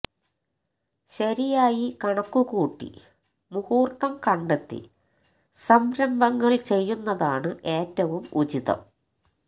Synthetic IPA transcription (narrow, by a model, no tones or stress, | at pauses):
ɕɐɾijaːjikɐɳɐkːukuːʈːḭ | muhuːrt̪ɐmkɐɳɖet̪ːḭ | sɐmbɾɐmbʱɐŋːɐɭt͡ɕe̞jːunːɐðaːɳɨʔeːtːɐʋumud͡ʑiðɐ̰m